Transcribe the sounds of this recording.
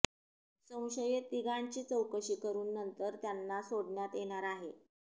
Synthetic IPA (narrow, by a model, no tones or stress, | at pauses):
sə̃w̃ɕəjet̪ːiɡaɳt͡ɕiːt͡səwkəɕiːkəɾuːnːənt̪əɾt̪janːasoɽɳjat̪jeɽ̃aɾaɦe